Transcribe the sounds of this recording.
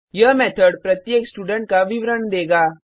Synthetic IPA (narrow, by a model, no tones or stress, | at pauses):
jɐɦmɛːt̪ʰəɖpɾɐt̪jeːksʈuːɖə̃ɳʈ̚kaʋɪʋɾəɳd̪eːɡaː